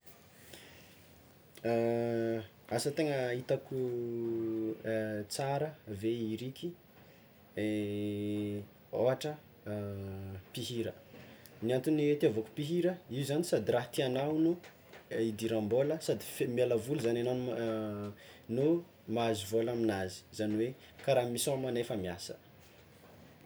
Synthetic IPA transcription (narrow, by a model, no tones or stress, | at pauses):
asət̪eŋəit̪aku | t͡saɾəveiɾikʰʲi | e | oɦaʈ͡ʂə | piɦiɾə | niant̪unwet̪iavoku̥piɦiɾəiuzanisad̪iɾaɦt̪ianawnu | id̪iɾãmboləsad̪ifemalavuluzananan | no | maazuvolaminazi̥zaniwe | kaɾamisõmanefəmiasə̥